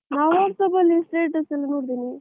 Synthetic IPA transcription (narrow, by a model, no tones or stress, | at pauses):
naːʋaːɾsɐbɐlːisʈeːʈɐsɐlːɐnoːɽd̪ini